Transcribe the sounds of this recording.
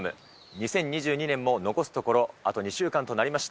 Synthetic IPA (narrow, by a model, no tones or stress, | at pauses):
mɯ̟̰ | ɲ̟isẽ̞ɲ̟ːiʑɨːɲ̟inẽ̞mːo̞no̞ko̞sɨ̥t̪o̞ko̞ɾo̞at̪o̞ɲ̟iɕɨːkãnt̪o̞naɾʲimaɕi̥t̪a